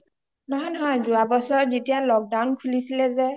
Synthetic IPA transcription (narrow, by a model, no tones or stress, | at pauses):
nɔɦɔjnɔɦɔjzuabɔsɔɹzitijalɔk̚dawnkʰulisilɛzɛ